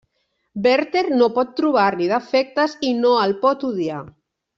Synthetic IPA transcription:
bɛɾt̪eɾnopɔt̪ːɾuβ̞aɾniðafɛk̚t̪azinoalpɔt̪uðja

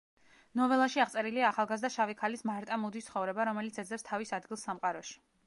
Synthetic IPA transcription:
nɔvɛlˠaʃiaʁt̪sʼɛɾiliaːχalˠɡazd̪aʃavikʰalismaɾt̪ʼamud̪ist̪sχɔvɾɛbaɾɔmɛlit̪sʰɛd̪zlɛpst̪ʰavisad̪ɡilˠsːamqʼaɾɔʃi̥

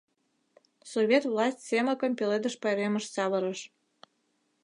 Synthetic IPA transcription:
soβʲet̪vlɑsʲtʲseməkəmpʲeled̪əʃpɑjɾeməʃsɑβə̆ɾəʃ

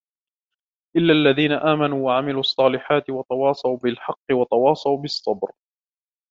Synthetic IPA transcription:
ʔɪlːaːʔlːaðiːnaʔaːmanuːwaʕamɪluːʔɑsˤːɑːlɪħaːt̪ɪwɑt̪ɑwɑːsˤɑwbɪlħɑqːɨwɑt̪ˤɑwɑːsˤɑwbɨsˤːɑbɾ

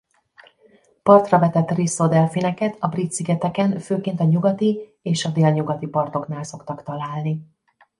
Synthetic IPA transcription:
pɒrt̪rɒvɛt̪ɛt̪risːod̪ɛlfinɛkɛt̪ɒbrit̪siɡɛt̪ɛkɛnføːkeːnt̪ɒɲuɡɒt̪ieːʃɒd̪eːlɲuɡɒt̪ipɒrt̪o̞knaːlso̞kt̪ɒkt̪ɒlaːlni

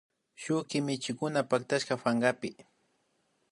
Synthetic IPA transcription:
ʃʊkɪmɪt͡ʃɪkʊnapak̚t̪aʃkafaɴɢapɪ

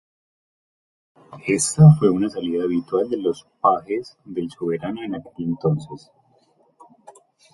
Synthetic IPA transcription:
e̞st̪afwe̞unasaliðaːβit̪wald̪elo̞spahe̞zd̪e̞lsoβe̞ɾano̞e̞nake̞le̞nt̪o̞nses

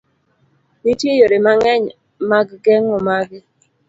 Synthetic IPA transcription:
nitjejoɾemaŋɛɲ | maɡɡɛŋɔmaɡɪ

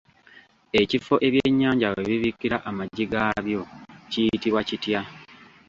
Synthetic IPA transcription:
e̞cifo̞ʔe̞βjeɲːaːɲɟaweβiβikːiɾaʔamaɟːiɡaβjo̞cijitiβwacitja

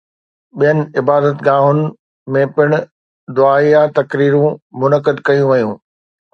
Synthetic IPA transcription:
ɓijənɪ̆ɪbaːd̪ət̪ɡãːɦʊnɪ̆ | mẽpɪɽ̃ʊ̆ | d̪ʊaːijat̪ɐkɾiːɾũmʊnəkəd̪kɐjũʋɐjũː

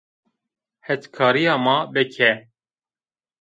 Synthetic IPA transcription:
hɛt͡ʃkʰɑːɾijɑːmɑːbɛkʰɛ

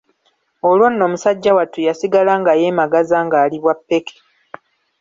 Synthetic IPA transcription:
o̞lwo̞nːo̞ːmusaɟːawatujasiɡalaːŋɡaje̞ːmaɡazaːŋɡaːliβwapːe̞kʰe̥

